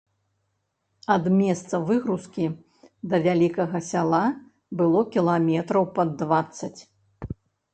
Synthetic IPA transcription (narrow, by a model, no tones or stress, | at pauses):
ɐd̪mʲɛst̪sɐvɨɣɾuskʲi | d̪ɐvʲalʲikɐɣɐsʲalˠa | bɨlˠɔkʲilˠamʲɛt̪ɾɐwpɐd̪ːvat̪sːɐt͡sʲ